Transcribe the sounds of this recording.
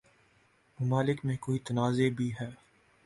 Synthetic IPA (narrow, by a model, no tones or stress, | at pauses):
mɐmaːlɪkmẽkoːit̪ɐnaːzebʱiɦɛː